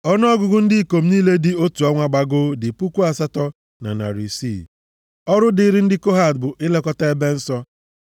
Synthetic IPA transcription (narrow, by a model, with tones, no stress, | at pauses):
ɔ˦n˦ɔ˦ɡʊ˨ɡʊ˦n̩˦dɪ˦i˦˨ko˨m̩˦ni˦le˦dɪ˦o˦tu˨ɔ˦ŋʷa˦ɡ͡ba˨ɡʊ˦dɪ˨pu˦ku˦a˨sa˦tɔ˦ | na̰˨na̰˨ɾi˨sḭ˦˨ | ɔ˦ɾʊ˦dɪ˦ɾɪ˦n̩˦dɪ˦ko˦ɦa˨dbʊ˨ʔɪ˦le˦kɔ˦ta˦e˦be˦n̩˦sɔ˦